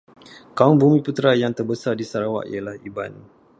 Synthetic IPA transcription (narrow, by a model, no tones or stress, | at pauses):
kaʊŋbumĩput̪ɾajaŋt̪ərbəsardisaɾawa̰ʔḭalahiban